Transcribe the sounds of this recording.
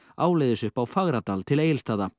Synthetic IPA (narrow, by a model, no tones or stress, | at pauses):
aːwlejðɪsʏhpawfaɣɾat̪aːlt̪ʰɪleːjɪlst̪aːða